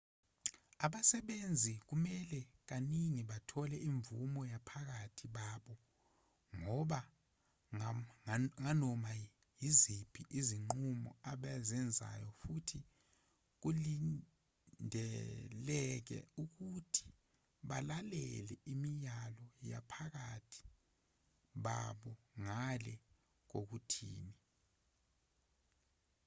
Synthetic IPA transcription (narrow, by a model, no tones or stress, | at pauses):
aɓasɛɓend͡zʱik̬umɛlɛk̬aniŋiɓatʰɔlɛʔiɱvṵmɔjapʰak̬atʰiɓaːɓɔ | ŋɔɓa | ŋanɔma | jizipʰiʔiziŋ͡ǃumɔ̰aɓazɛnd͡zʱa̰jɔfutʰi | k̬uli | ndʱɛlɛk̬ɛ̰uk̬utʰi̥ | ɓalalɛlɛimijalɔja̰pʰak̬atʰi̥ | ɓaɓɔŋalɛ | k̬ok̬utʰḭːni